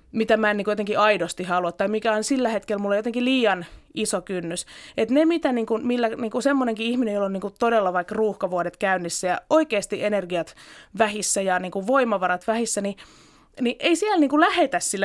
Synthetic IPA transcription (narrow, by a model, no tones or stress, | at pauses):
mit̪æmæniŋkujot̪eŋkiɑidost̪ihɑluɑt̪ːɑimikæonsilːæhet̪kelmulːejot̪eŋkiliːjɑnisokynːyset̪nemit̪æniːŋkunmilːæniːŋkusemːoneŋkiihminejolːoniːŋkut̪odelːɑʋɑikruːhkɑʋuodet̪kæynːisːæjɑoikeːst̪iʔenerɡiɑt̪ʋæhisːæjɑniːŋkuʋʋoimɑʋɑɾɑt̪ʋæhisːæni | niʔeisiælniːŋkulæhet̪æssilː